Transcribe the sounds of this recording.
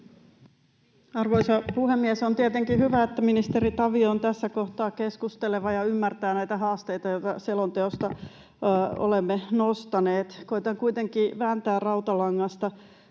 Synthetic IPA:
ɑrʋoisɑpuhemːiesont̪iet̪eŋkihyʋæet̪ːæminist̪eɾit̪ɑʋioont̪æsːækoht̪ɑːkeskust̪eleʋɑjɑymːært̪æːnæjt̪æɦɑːst̪ejt̪ɑjo̞t̪ɑ̰selont̪eost̪ɑ | o̰lemːenost̪ɑneːt̪ko̞it̪ɑŋkuit̪eŋkiːʋæːnt̪æːrrɑut̪ɑlɑŋːɑst̪ɑ

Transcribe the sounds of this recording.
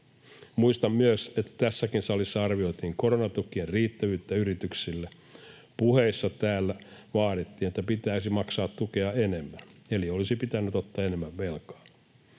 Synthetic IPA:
muist̪ɑmmyøset̪ːæ̥t̪æsːækinsɑlisːɑɑrʋio̞it̪iːŋkoɾonɑt̪ukːˑierriːt̪ːæʋyːt̪ːæyɾit̪yksilːe | puhe̞isːɑt̪æːlːæʋɑːɾit̪ːiːnet̪ːæpit̪æisimɑksɑːt̪ːukeɑenemːæneliolisipit̪ænːyt̪ot̪ːɑːenemːæʋʋelkɑ̥ː

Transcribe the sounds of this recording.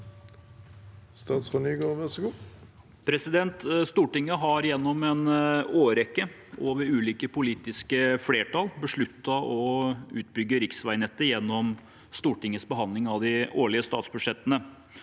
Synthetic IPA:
st̪ɑːt̪skʊnyːɡoːʋæʁsəɡuː | pʰɾɛsɪd̪ɛnt̪st̪uːʈɪŋːəɦɑɾjɛnːɔmɛnoːɾɛkːə | oːʋəɾʉːliːkəpʊliːt̪ɪskəfleːʈɑlbəʂɭʉt̪ːɑʔɔʉːt̪bʏɡːəɾɪksʋæɪnɛt̪ːəjɛnːɔm | st̪uːʈɪŋːəsbəɦɑnd̪lɪŋɑʋd̪ɪoːɭɪəst̪ɑ̰ːt̪sbʉʂɛt̪ːənə

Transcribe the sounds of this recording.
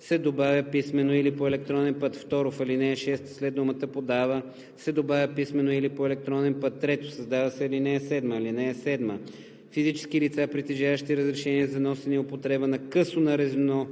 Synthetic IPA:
sɛd̪obavʲəpismɛnoilipoɛlɛk̚t̪ɾɔnɛnpət̪ft̪ɔɾofɐlinɛːʃɛst̪slɛd̪d̪omət̪əpod̪avə | sɛd̪obavʲjəpismɛnoilipoɛlɛk̚t̪ɾɔnɛnpət̪ːɾɛt̪o̥sɐzd̪avɐsɛɐlinɛːsɛd̪məilinɛːsɛd̪mə | fizit͡ʃɛ̥skilit̪sapɾit̪ɛʒavəʃt̪iɾəzɾɛʃɛniɛzɐnɔsɛniopot̪ɾɛbənɐkɤsonɐɾɛzminɔ

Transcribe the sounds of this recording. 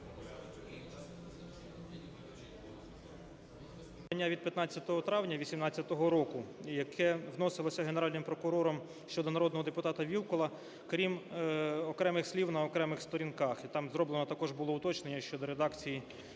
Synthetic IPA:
t̪ɐnʲːaʋʲid̪̚pʲjɐt̪nɑt͡sʲːɐt̪ɔɦɔt̪ɾɑwnʲɐʋʲisʲimnɑt͡sʲːɐt̪ɔɦɔɾɔkʊjɐkʰɛʋnɔsɪlˠɔsʲɐɦeneɾɑlʲnɪmpɾɔkʊɾɔɾɔm | ʃt͡ʃɔd̪ɔnɐɾɔd̪nɔɦɔd̪epʊt̪ɑt̪ɐʋʲilˠkɔlˠɐ | kɾʲim | ɔkɾɛmɪxsʲlʲiwnɐɔkɾɛmɪxst̪ɔɾʲinkɑxit̪ɑmzɾɔblˠenɔt̪ɐkɔʒbʊlˠɔʊt̪ɔt͡ʃnenʲːɐʃt͡ʃɔd̪ɔɾed̪ɑkt͡sʲiji

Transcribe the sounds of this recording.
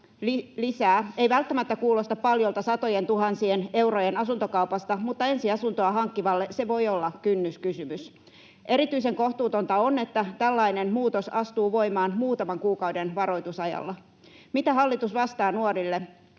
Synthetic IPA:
lisæːeiʋælt̪ːæmæt̪ːækuːlost̪ɑppɑljolt̪ɑsɑt̪ojent̪uhɑnsiene̞uwrojenɑsunt̪okɑupɑst̪ɑmut̪ːɑe̞nsiɑsunt̪oɑɦɑŋkːiʋɑlːese̞ʋo̞iolːɑkynːyskysymys | ʔe̞ɾit̪yise̞ŋkoht̪uːt̪ont̪ɑone̞t̪ːæt̪ælːɑinenmuːt̪osɑst̪uːʋo̞imɑːnmuːt̪ɑmɑŋkuːkɑwdenʋɑɾo̞jt̪usɑjɑ̰lːɑ | mit̪æɦɑlːit̪usʋɑst̪ɑːnuorilːe

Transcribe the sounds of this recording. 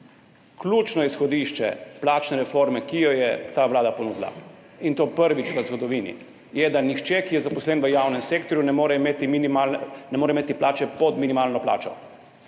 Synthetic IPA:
klʲuːt͡ʃnɔjɛsxɔd̪iʃt͡ʃɛ̰plaːt͡ʃnɛɾɛfoɾmɛkijɔjɛt̪aːʋlaːd̪aponuːd̪la̰ | int̪oːpəɾʋit͡ʃɡazɡɔd̪ɔʋiːnḭ | jɛd̪anixt͡ʃɛkijɛzapɔslɛnʋəjaːwnɛmseːk̚t̪ɔɾjunɛmoːɾɛimet̪imnimalnɛmoːɾɛimeːt̪iplaːt͡ʃɛpɔd̪minimaːlnɔpla̰ːt͡ʃɔ

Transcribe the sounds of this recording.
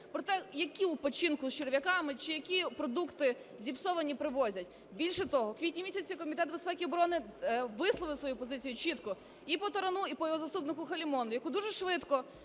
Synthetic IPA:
pɾɔt̪ɛjɐkʲiupɔt͡ʃinkʊst͡ʃeɾʋʲɐkɑmɪt͡ʃɪjɐkʲipɾɔd̪ukt̪ɪ | zʲipsɔʋɐnʲipɾɪʋɔzʲɐtʲ | bʲilʲʃɛt̪ɔɦɔkʋʲitʲnʲimʲisʲɐt͡sʲikɔmʲit̪ɛt̪bespɛkʲiɔbɾɔnɪʋɪslˠɔʋɪsʋɔjupɔzɪt͡sʲijʊt͡ʃit̪kɔ | ipɔt̪ɔɾɐnuipɔjɔɦɔzɐst̪upnɪkʊxɐlʲimɔnʊjɐkud̪uʒɛʃʋɪt̪kɔ

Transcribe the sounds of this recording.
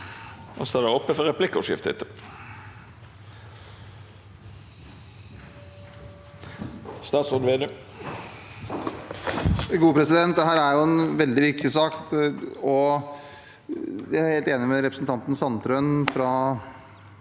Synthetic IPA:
ʔɔsɔæɖ̪ɛɔpːəfɔɾɛplɪkːʊʂɪ̰ft̪ɪ̰t̪ə | st̪ɑːt̪sɔnʋeːd̪ə | ɡuːpʰɾɛsɪd̪ɛnt̪̚d̪ɛɦæːɾæɾjʊɛnʋɛld̪ɪʋɪɾkt̪ɪsɑkt̪ɔ | jæɾheːlt̪eːnɪmɛɾɛpɾəsn̩t̪ɑnt̪n̩sɑnt̪ɾœnfɾɑ

